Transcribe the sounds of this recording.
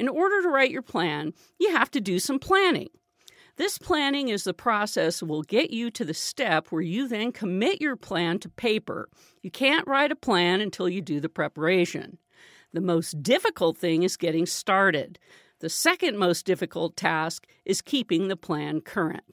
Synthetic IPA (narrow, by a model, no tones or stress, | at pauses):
ɨ̃nɔɹɾə˞ɾəɹaɪt͡ʃə˞pʰl̥æ̃n | jɨhæftɨdɨsʌ̃mpʰl̥ænɪ̰̃ŋ | ðɪspʰl̥ænɪ̃ŋɨzðəpʰɹ̥ɑsɛswɪlˠɡɛt͡ʃɨɾɨðɨstɛpʰwə˞jɨðɨ̃nkʰəmɪt͡ʃə˞pʰl̥æ̃ntʰɨpʰeɪpə̰˞ | jɨkʰæ̃nʔɹaɪɾɨpʰl̥æ̃nɨ̃ntʰɪlˠjɨdɨðɨpʰɹ̥ɛpə˞eɪʃɨ̰̃n | ðɨmoʊsd̥ɪfɨkl̩ˠt̪̚θɪ̃ŋɨzɡɛɾɪ̃ŋstɑɹɾɪd̪̚ | ðɨsɛkɨ̃nmoʊsd̥ɪfɨkl̩ˠtʰæsk | ʔɨz̥kʰipɪ̃ŋðəpʰl̥æ̃nkʰɜ˞ɨ̰̃nt̚